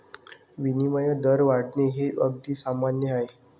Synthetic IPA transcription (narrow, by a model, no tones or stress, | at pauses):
ʋinimajəd̪əɾʋaɽneɦeʔəɡ̚d̪iːsamanjəaɦe